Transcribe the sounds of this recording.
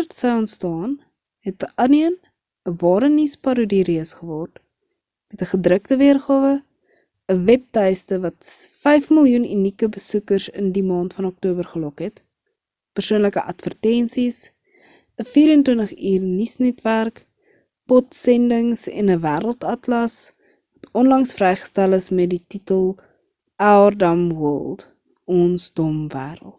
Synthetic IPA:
ərtsəjɔntstɑːn | ɦɛt̚əʔɐniən | əvɑːɾənispɐɾudiriəsχəvɔrt | mɛtəχədrəktəviərχɑːvə | əvɛp̚tɛjstəvɐtfɛjfməlˠjunynikəbəsukərsəndimɑːntfɐnɔk̚tuːbərχəlɔkɦɛt | pərsuənləkəʔɐtfərtɛnsis | əfiːɾəntwəntəχiːrnisnɛtværk | pɔtsɛndəŋsɛ̰nəvæːɾəlˠtɐtlɐs | vɐtɔnlɐŋsfrɛjχə̥stæləsmɛt̚dititəlˠ | ardɐmwəlˠd | ɔnstɔmvæːɾə̰lˠt

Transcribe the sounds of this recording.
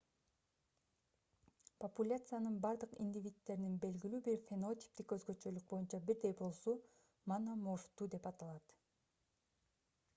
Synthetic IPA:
populʲat̪sɨjanɯnbɑɾd̪ɯqḭnʲdʲivʲit̪ːe̞ɾininbe̞lɡilyːbiɾfʲeno̞t̪ʲi̥p̚t̪ikøzɡø̞t͡ʃø̞lyk̚bo̞junt͡ʃɑbiɾd̪e̞jbo̞lˠsu | manamoʃt̪ud̪e̞pɑt̪ɑlˠɑt̪

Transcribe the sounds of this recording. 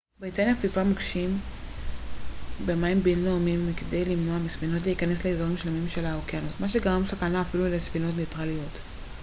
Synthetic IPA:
bitanjafizʁamakʃim | bemaimbenlomimkedejlimnoamisfino̞t̬leikane̞sleezaʁimʃlemimʃe̞laokeanosmaʃ̬e̞ɡaʁamsakanaːfilulesfino̞tnetʁalijo̞t

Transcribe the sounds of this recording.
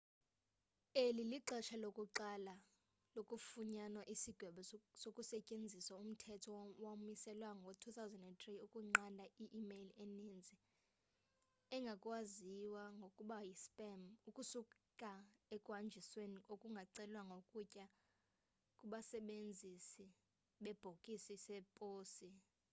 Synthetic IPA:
eliliǃɛʃʰalokʼuǃala | lokʼufuɲanwaʔisiɡ̥ʱwɛɓɛsokʼusɛcʼend͡zʱiswaum̩tʰɛtʰɔwamisɛlwaŋotʰuθawzɛndɛndt̪ʼriukʼuŋ͡ǃandʱaiʔːmelenind͡zʱi | ɛŋɡʱakʼwaziwaŋɡʱokʼuɓajispʼɛmukʼusukʼaɛkʼwand͡ʒʱisweniokʼuŋɡʱaǀɛlwaŋɡʱokʼucʼa | kʼuɓasɛɓend͡zʱisi | ɓɛb̥ʱokʼisisɛpʼoːsi

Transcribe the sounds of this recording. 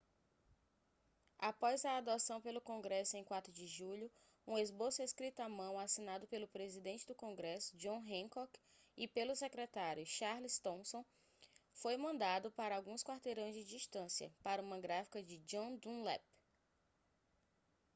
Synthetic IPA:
apɔzɐːd̪osɐ̃w̃pelʊkõɡɾɛsʊẽj̃kwat̪ɾʊd͡ʒɪʒuʎʊ | ũezbosʊeskɾit̪ʊamɐ̃w̃asinad̪ʊpelʊpɾezid̪ẽnt͡ʃɪd̪ʊkõɡɾɛsʊ̥d͡ʒõw̃ɦẽkɔk | ɪpelʊsekɾɛt̪aɾjʊʃaɾlist̪õsõ | fojmɐ̃nd̪ad̪ʊpaɾɐawɡũskwaɾt̪eɾɐ̃w̃zd͡ʒɪd͡ʒiʃt̪ɐ̃siɐ̰paɾɐũmɐɡɾafi̥kɐd͡ʒɪd͡ʒõd̪ũlɛ̰p

